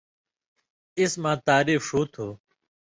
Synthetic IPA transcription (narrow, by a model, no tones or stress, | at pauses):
ɪsmãːt̪aːɾiːfoːt̪ʰoː